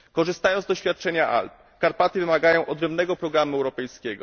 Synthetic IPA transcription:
kɔʐɘst̪ajɔnd̪ɔɕfʲjat̪̚t͡ʂɛɲaʔa̰lp | kaɾpat̪ɘvɘmaɡajɔ̃w̃ʔɔd̪ɾɛmbnɛɡɔpɾɔɡɾamuɛwɾɔpɛjskʲeɡɔ̰

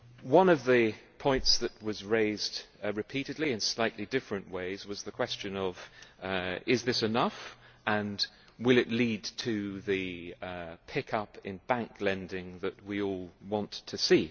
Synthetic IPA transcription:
wʌ̃nʌvðɨpʰɔ̃ɪ̃ntsðɨt̚wʌzɹeɪzd̥ɹɨpʰiɾɨdˡliɨ̃nslaɪʔˡlidɪfɹɨ̃nʔweɪzwʌzðɨkʰw̥ɛst͡ʃɨ̃nʌv | ɪzðɪsɨnʌf | ə̃n | wɪlˠɨʔˡlid̚tʰɨðɨ | pʰɪkʰʌpɪ̃nbæ̃ŋkʰlɛ̃ndɪ̃ŋðɨʔ̚wiɔlˠwɑ̃ntʰɨsi

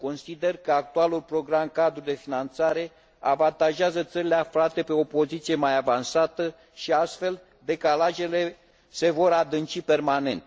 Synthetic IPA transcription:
ko̞nsid̪e̞rkəak̚t̪ualulpɾo̞ɡɾamkad̪ɾud̪e̞finant̪saɾe̞ | a̰vant̪aʒeazət̪səɾileafɾat̪e̞pe̞o̞po̞zit̪sije̞majavansat̪ə | ʃiast̪fe̞l | d̪e̞kalaʒe̞le̞ | se̞vo̞ɾad̪ɨnt͡ʃipe̞rmane̞nt̪

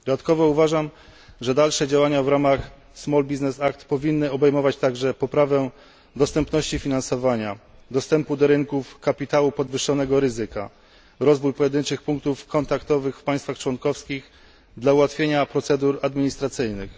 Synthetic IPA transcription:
d̪ɔat̪kɔvɔuvaʐam | ʐɛd̪alʂɛd͡ʑawaɲavɾamax | smɔlbʲiznɛsak̚t̪pɔvʲinːɘɔbɛjmɔvat͡ɕt̪aɡʐɛpɔpɾavɛ | d̪ɔst̪ɛmpnɔɕt͡ɕifʲinansɔvaɲad̪ɔst̪ɛmpud̪ɔɾɘŋkufkapʲit̪awupɔd̪vɘʂːɔnɛɡɔɾɘzɘka̰ | ɾɔzvujpɔjɛd̪ɘnt͡ʂɘxpuŋk̚t̪ufkɔnt̪akt̪ɔvɘxfpaj̃st̪faxt͡ʂwɔnkɔfskʲix | d̪lauwat̪fʲjeɲapɾɔt̪sɛd̪uɾad̪mʲiɲist̪ɾat̪sɘjnɘx

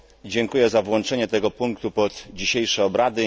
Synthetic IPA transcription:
d͡ʑɛŋkujɛzavwɔnt͡ʂɛɲɛt̪ɛɡɔpuŋkt̪upɔt̪d͡ʑiɕejʂɛɔbɾad̪ɘ

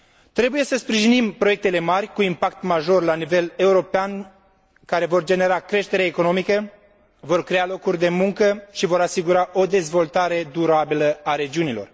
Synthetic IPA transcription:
t̪ɾe̞buje̞səspɾiʒinimpɾoje̞k̚t̪e̞le̞marʲkuimpakt̪maʒo̞rlanive̞le̞uɾo̞pean | kaɾe̞vo̞rd͡ʒe̞ne̞ɾakɾe̞ʃt̪e̞ɾaeko̞no̞mikə | vo̞rkɾe̞alo̞kurʲd̪e̞muŋkəʃivo̞ɾasiɡuɾaʔo̞d̪e̞zvo̞lt̪aɾe̞d̪uɾabiləaɾe̞d͡ʒiunilo̞̰r

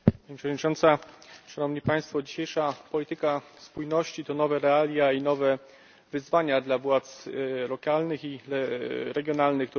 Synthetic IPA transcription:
paɲipʂəvɔd̪ɲit͡ʂɔnt̪saʂanɔmɲipaj̃st̪fɔd͡ʑiɕejʂapɔlʲit̪ɘkaspujnɔɕt͡ɕit̪ɔnɔvɛɾɛalʲjainɔvɛ | vɘzvaɲad̪lavwat̪slɔkalnɘxiɛɾɛɡʲjɔnalnɘxkt̪

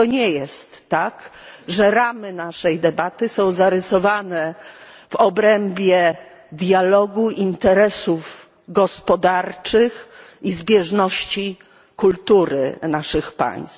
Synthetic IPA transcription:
t̪ɔɲɛjɛst̪ːakʐɛɾamɘnaʂɛjd̪ɛbat̪ɘsɔ̃w̃zaɾɛsɔvanɛ | vɔbɾɛmbʲjɛ | d̪jalɔɡuʔint̪ɛɾɛsuv | ɡɔspɔd̪aɾt͡ʂɘxizbʲjɛʐnɔɕt͡ɕi | kult̪uɾɘ̰naʂɘxpa̰j̃st̪

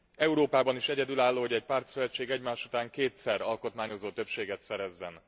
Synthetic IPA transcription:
ɛuɾoːpaːbɒniʃɛɟɛd̪ylaːlːoːɦoɟɛɟ̚paːrt̪søʋɛt͡ʃːeːɡɛɟmaːʃut̪aːŋkeːt̪sɛrɒlko̞t̪maːɲo̞zoːt̪ø̞pʃeːɡɛt̪sɛɾɛzːɛn

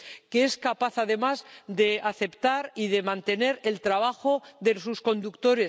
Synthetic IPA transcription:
keeskapaθaðe̞mazd̪e̞aθe̞pt̪aɾiðe̞mãnt̪e̞ne̞ɾe̞lt̪ɾaβ̞axo̞ðesusko̞nd̪ukt̪o̞ɾe̞s

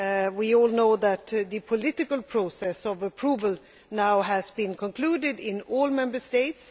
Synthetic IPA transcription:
wiɔlˠnoʊðɨt̪ðɨpʰɨlɪɾɨkəl̩ˠpʰɹ̥oʊsɛsʌvəpʰɹ̥uvəl̩ˠ | naʊɨzbɨ̃nkʰɔ̃nkʰl̥udɪdɪ̃nɔlˠmɛ̃mbə˞steɪts

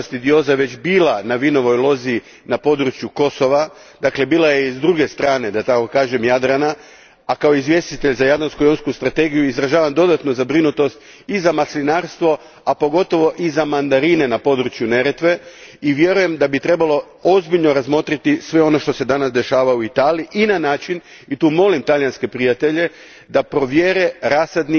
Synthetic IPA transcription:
st̪id̪io̞zaʋe̞t͡ɕbiːlanaʋino̞ʋo̞jlˠo̞zi | napo̞d̪ɾut͡ʃjuko̞so̞ʋa | d̪akle̞biːlˠajeizd̪ɾuɡe̞st̪ɾaːne̞d̪at̪ako̞kaːʒe̞mjad̪ɾanaː | kao̞izʋje̞st̪it̪eʎzajad̪lanskujonskust̪ɾat̪e̞ːɡijuizɾaʒaːʋamd̪o̞d̪at̪no̞zabɾinut̪o̞st̪ | izamaslinaːɾst̪ʋo̞ | apo̞ɡo̞t̪o̞ʋo̞ʔizamand̪aɾinenapo̞d̪ɾut͡ʃjune̞ɾet̪ʋe̞ | iʋje̞ɾuje̞md̪abit̪ɾe̞balo̞ | o̞zbiʎno̞ɾazmo̞t̪ɾit̪isʋe̞o̞no̞ʃt̪o̞se̞d̪anasd̪e̞ʃaːʋauit̪aːliiʔinanaːt͡ʃin | it̪uːmo̞limt̪aʎjanske̞pɾijat̪e̞ʎe̞ | d̪apɾo̞ʋjeːɾe̞ɾasad̪ni

